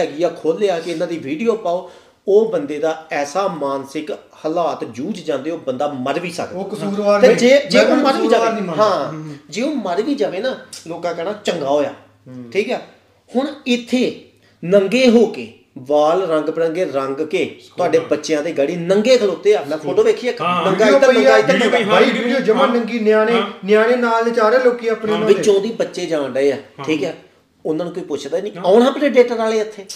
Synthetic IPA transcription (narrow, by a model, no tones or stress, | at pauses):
ɛːɡijaːkʰoːlːeːaːkɪɪnãːd̪iːʋiːɖijoːpaːoː | oːbənd̪eːd̪aːɛːsaːmaːnsɪk | həlaːt̪d͡ʒuːd͡ʒd͡ʒãːnd̪eːoːbənd̪aːməɾʋiːsə̰k̪ | ed͡ʒeːd͡ʒeːoməɾʋiːd͡ʒaːeɦãːd͡ʒeːoːməɾʋiːd͡ʒaːʋeːnaːloːkãːkɛːɽaːt͡ʃəŋɡaːɦoːja̰ː | ʈʰiːkɛː | hʊɳɪt̪ʰːeː | nəŋɡeːɦoːkeː | ʋaːlɾə̃ŋɡpəɽə̃ŋɡeːɾəŋɡkeːt̪ʊaːɖeːbətːʃjãːd̪eːɡəɽiːnəŋɡeːkʰəloːt̪eːaːnãːkʰodõːʋeːkʰijaːknəŋɡaːɪt̪anəŋɡaːit̪ːnəaaːiioːd͡ʒəmãːnəŋɡiːnaːneːnɪjaːneːnaːlet͡ʃaːɾẽːloːkiãːpnẽːʋɪt͡ʃõːd̪iːbətːʃeːd͡ʒãːnɖəeːaːʈʰiːkɛː | ʊnãːnũːkoːiːpʊt͡ʃʰd̪aːnĩːaːnaːpneːɖeːʈaɾaːleːət̪ʰːeː